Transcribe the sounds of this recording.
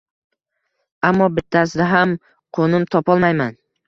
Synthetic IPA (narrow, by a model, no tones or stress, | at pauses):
amːɒbɪt̪ʰːasɪd̪aɦam | qʰonɪmt̪ʰɒpɒlˠmajman